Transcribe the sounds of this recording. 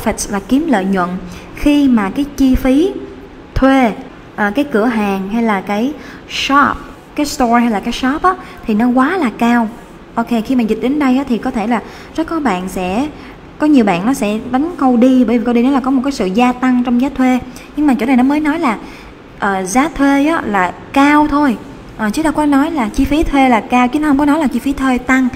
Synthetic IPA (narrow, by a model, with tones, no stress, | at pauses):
fɛ˨˩t̚vaː˨˩ki˨˦əmlə̰ː˧˨jɲwə̰˧˨n | xi˧maː˨˩kaː˨˦jt͡ɕi˧fi˨˦ | t̪ʰwe˧ | ʔəː˨˩kaː˨˦jkɨ˧˩əɦaː˨˩ŋɦa˧jlaː˨˩kaː˨˦j | sɔ˦˥p̚ | kaː˨˦jst̪ɔ˧ha˧jlaː˨˩kaː˨˦jsɔ˦˥p̚ʔaː˨˦t̪ʰi˨˩nɔ˨˦kwaː˨˦laː˨˩kaː˧w | ʔo˧wke˧xi˧maː˨˩zi˨˩t̚ɗe˨˦nɗə˧jʔaː˨˦t̪ʰi˨˩kɔ˨˦t̪ʰe˧˩laː˨˩ | zə˦˥t̚kɔ˨˦ɓa̰ː˧˨nsɛ̰˧˥ | kɔ˨˦ɲi˨˩əwɓa̰ː˧˨nːɔ˨˦sɛ̰˧˥ɗa˨˦jŋkə˧wɗi˧ɓəː˧˩jvi˨˩kə˧wɗi˧nɔ˨˦laː˨˩kɔ˨˦o˨˩kːjsɨ̰˧˨zaː˧t̪a˧ŋt͡ɕɔ˧wŋ͡mzaː˨˦˥t̪ʰwe˧ | ɲɨ˧ŋmaː˨˩t͡ɕṵ˧˩na˨˩jnɔ˨˦məː˨˦jnɔ˨˦jlaː˨˩ | ʔəː˨˩zaː˨˦t̪ʰwe˧ʔaː˨˦˥laː˨˩ | kaː˧wt̪ʰo˧j | ʔəː˨˩t͡ɕɨ˨˦ɗa˧wkɔ˨˦nɔ˨˦jlaː˨˩t͡ɕi˧fi˨˦t̪ʰwe˧laː˨˩kaː˧wt͡ɕɨ˧˦n˦hə˧wŋ͡mkɔ˨˦nɔ˨˦jlaː˨˩t͡ɕi˧fi˨˦t̪ʰwe˧t̪a˧ŋ